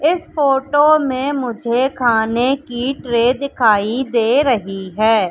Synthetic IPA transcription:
ɪsfoːʈomẽmʊd͡ʒʱekʰaːnekiʈɾeːd̪ɪkʰaːid̪eːɾɐɦiɦɛː

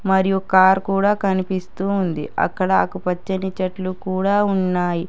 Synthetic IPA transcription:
mɐɾijukaːɾkuːɽaːkɐnipist̪uːnd̪ḭɐ̰kːɐɽɐːkupɐt͡ʃːɐnit͡ʃɐʈlukuːɽaːunːaːji

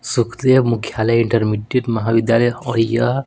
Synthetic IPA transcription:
sukʰd̪ebmukʰjalajiɳʈəɾmiʈeʈmɐɦabid̪jaləjɔijə

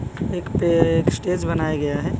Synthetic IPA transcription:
eːkpeːksʈeːd͡ʒbɐnaːjaɡɐjaɦɛː

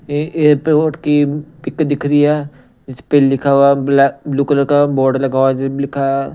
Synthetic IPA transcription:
eeːɾpeoːʈkipɪkd̪ɪkʰɾia | d͡ʒɪspelːɪkʰawablabluːkləɾkabɔːɾɖlɐɡaːwad͡ʒlɪkʰa

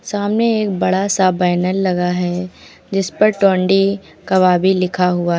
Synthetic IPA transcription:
saːmneeːkbɐɽasabaːnəlːɐɡaɦɛ | d͡ʒɪspɐɾʈɔ̃ːɳɖi | kɐʋaːbʱilɪkʰaɦʊaɦ

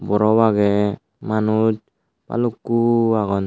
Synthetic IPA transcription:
bɔɾɔwaɡe | manut̚ | pa̰lukːuaɡɔn

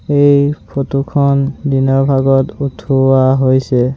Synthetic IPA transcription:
ejpʰotukʰɔndinɔɹbʱaɡɔtutʰuwaɦojsɛ

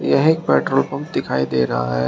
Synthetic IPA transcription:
jɐɦeːk̚pɛːʈɾoːlpɐmd̪ɪkʰaːid̪eːɾɐɦa̰ɦɛ

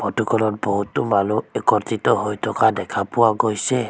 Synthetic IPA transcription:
pɔtɔkɔlɔt̚bɔɦutːumaluɛkɔɾtitɔɦojtʰɔkadɛkʰapʊwaɡojsɛ

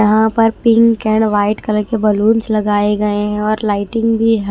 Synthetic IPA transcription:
ɐɦãpɐɾpɪ̃ŋkkɛ̃ːɳɖʋaːɪʈkɐlkebɐluːnt͡ʃlɐɡaːeɡɐeɦɛ̃ɔːɾlaːɪʈɪ̃ŋɡbʱiɦ

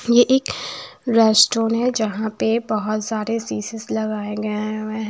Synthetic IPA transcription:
jeʔeːkɾɛːsʈoːnɦɛd͡ʒɐɦãpebɐɦʊt̪saːɾesiːsɪslɐɡaːẽɡə̃ɛɦ

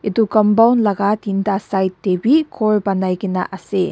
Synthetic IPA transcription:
idukɔmbawnlaɡatintasajtːebikʰɔɾbanajɡina̰ʔɐse

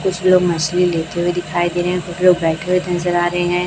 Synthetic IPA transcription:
kʊt͡ʃʰloːɡmɐslileːt̪eɦued̪ɪkʰaːid̪eːɾəɦɛ̃kʊt͡ʃʰloːɡ̚bɛːkewit̪nəzəɾaːɾəɦeɦɛ̃ː

